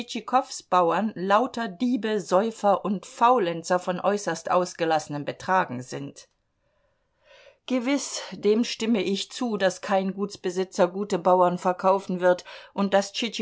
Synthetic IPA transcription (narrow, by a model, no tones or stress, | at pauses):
t͡ʃikʰɔfsb̥aʊɐnlaʊtɐdiːbəzɔʏfɐʔʊntfaʊlɛnt͡sɐfɔnʔɔʏsɐstʔa̰ʊsɡ̥əlasənəmbətʁ̥aːɡŋ̩zɪnt | ɡ̥əvɪsd̥eːmʃtɪməʔɪçt͡suːdaskʰaɪnɡuːtsb̥əzɪt͡sɐɡuːtəbaʊɐnfɛɐkʰaʊfn̩vɪɐtʔʊnt̚d̥ast͡ʃit͡ʃ